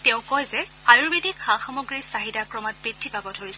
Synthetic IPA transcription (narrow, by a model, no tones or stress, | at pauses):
tɛʊ̃kɔjzɛ | ajuɹbedikʰãxɔmɔɡɹisaɦidakɹɔmat̚b̥ɹitʰːipabɔdʱoɹisɛ